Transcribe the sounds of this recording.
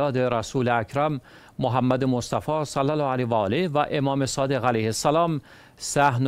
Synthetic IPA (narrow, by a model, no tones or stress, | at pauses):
ɒːd̪e̞ɾæsuːleæcʰɾæmː | oɦæmːæd̪emost̪æfɒːsælːælːɒːælevæɒːlehvæʔe̞mɒːme̞sɒːd̪e̞ɣælæjhesːælɒːm | sæhn